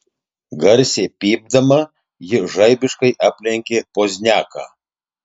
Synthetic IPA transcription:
ɡɐɾʲsʲepʲiːb̚d̪ɐmɐ | jɪʒɐɪbʲɪʃkɐɪʔɐpʲlʲɛŋʲkʲepozʲnʲæːkɐ̰

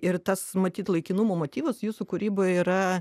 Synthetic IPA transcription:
ɪrt̪ɐsmɐt̪ʲiːt̪lˠɐɪkʲɪnumoːmoːt̪ʲiːʋɐsjuːsʊkʊɾʲiːboːjɛiːɾɐ

